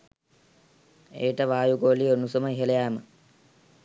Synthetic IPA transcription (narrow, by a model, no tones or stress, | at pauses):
eːʈəʋaːjuɡoːlionusoməiɦelejæːmə